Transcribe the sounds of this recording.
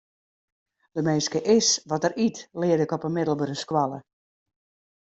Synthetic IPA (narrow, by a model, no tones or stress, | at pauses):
d̥əmeːskəʔɪsʋɔtəɾitlɪːədɪkɔpənmɪdəl̩ˠbəɾəskwalˠə